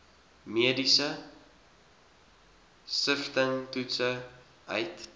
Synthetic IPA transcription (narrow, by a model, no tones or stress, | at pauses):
miədisə | stəftəŋtutsə | ʔœjt